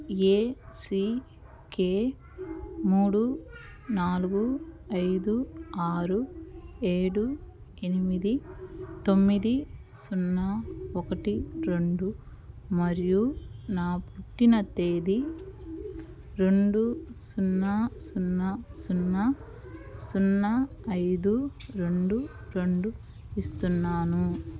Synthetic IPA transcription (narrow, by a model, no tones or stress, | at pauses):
eːsi | keː | muːɽu | naːluɡuɐjd̪uaːɾueːɽu | enimid̪it̪o̞mːid̪i | sunːaːɔkɐʈiɾe̞ɳɖu | mɐɾijunaːpuʈːinɐt̪eːd̪i | ɾe̞ɳɖusunːasunːɐsunːɐ | sunːɐɐjd̪uɾe̞ɳɖuɾe̞ɳɖu | ist̪unːaːnu